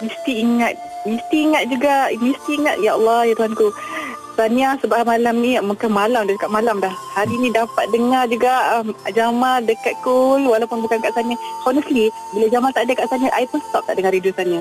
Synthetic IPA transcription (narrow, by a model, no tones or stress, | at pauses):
mist̪iːŋat̪̚ | mist̪iːŋat̪̚d͡ʒuɡamist̪iːŋat̪̚jaɑlːɑhjat̪uhanku | saniasəbamalamnimukanmalamdakaʔmalamlahhaɾinĩdapat̪̚dəŋard͡ʒuɡaʔmd͡ʒamadəkat̪̚kulwalawpʊnbukankaʔsanahɔnəsli | bilad͡ʒamant̪aʔdəkaʔsaniaʔaipənst̪ɔp̚t̪aʔdəŋarɾidusania